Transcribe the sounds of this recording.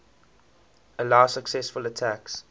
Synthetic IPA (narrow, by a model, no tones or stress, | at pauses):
əlaʊsəksɛsfələtʰæks